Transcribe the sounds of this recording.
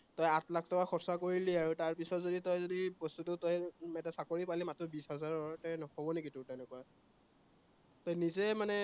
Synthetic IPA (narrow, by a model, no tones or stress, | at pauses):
tɔjatlakʰtɔkaxɔpsakoɹiliaɹutaɹpisɔtzoditɔjzodipɔstutʊtɔjɛtasakoɹipalimatɹɔbisɦɔzaɹɔɹtɛnɔɔbɔnɛkitʊtɛnɛkua | tɔjnizɛmanɛ